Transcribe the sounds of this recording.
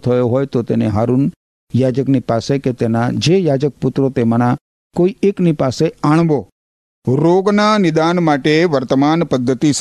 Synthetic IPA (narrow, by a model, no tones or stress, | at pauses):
t̪ʰəjoɦoːjt̪ot̪ḛːneɦaːɾun | jaːd͡ʒəknipaːseket̪eːnad͡ʒejaːd͡ʒək̚pʊt̪ɾot̪eməna | koːieːknipaːseaːɽ̃ʋoː | ɾoːɡnanɪd̪aːnmaːʈeʋəɾt̪əmaːnpəd̪ʱːət̪is